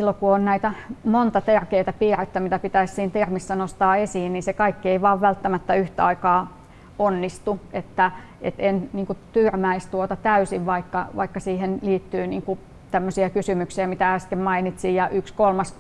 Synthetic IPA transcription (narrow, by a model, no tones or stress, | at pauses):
silːokuonnæit̪æmont̪ɑt̪erkeit̪æpiːret̪ːæmit̪æpit̪æissiːnt̪ermisːænost̪ɑːesiːnniːsekɑikːieiʋɑːʋʋælt̪ːæmæt̪ːæyht̪æɑikɑː | onːist̪uet̪ːæ | ḛt̪enniːŋkut̪yrmæist̪uot̪ɑt̪æysiʋʋɑikːɑʋɑ̰ikːɑsiːhenliːt̪ːyːniːŋku | t̪æmːøsiækysymyksiæmit̪ææskemmɑinit̪sijjɑʔykskolmɑs